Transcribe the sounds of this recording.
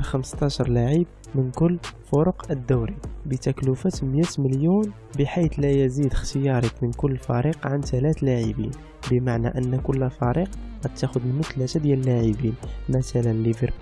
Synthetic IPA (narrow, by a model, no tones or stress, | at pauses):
ɾxəməst̪ˤɑʃəɾˤlaʕib̚ | mənkʊlːfʊɾʊqəd̪ːuwɾibət̪æklufæt̪mjæt̪məljun | bəħit̪læjəzid̪əxt̪əjɑɾˤəkmənkʊlːfɑɾiqʕant̪ælæt̪laʕibḭn | bəmaʕnæʔənːkʊlːfɑɾiqqæt̪ːæxʊd̪mənmʊt̪ːlæt̪æd̪jæləlːaʕibinmæt̪ælənlːivəɾ